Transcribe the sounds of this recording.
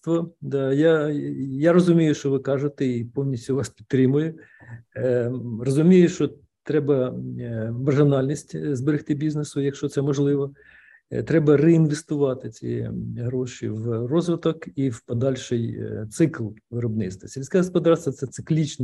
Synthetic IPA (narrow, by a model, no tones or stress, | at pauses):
t̪ʋɔd̪ɑjajaɾɔzʊmʲijʊʃt͡ʃɔʋɪkɑʒet̪ɛipɔwnʲisʲtʲʊʋɑspʲidt̪ːɾɪmʊjɛ | rɔzʊmʲijʊʃt͡ʃɔ | t̪ɾɛbɐ | mɐrʒɪnɑlʲnʲisʲtʲzbeɾɪxt̪ɪbʲiznesʊjɐkʃt͡ʃɔt̪sɛmɔʒlˠɪʋɔ | t̪ɾɛbɐrɛinʋest̪ʊʋɑt̪ɪt͡sʲḭɛ̰ɦɾɔʃḭwrɔzʋɪt̪ɔkiwpɔd̪ɑlʲʃɪjt̪sɪklˠʋɪɾɔbnɪ̰t̪st̪ʋɐsʲilʲsʲkʲɛɦɔspɔd̪ɑrst̪ʋɐt̪sɛt̪sɪklʲit͡ʃn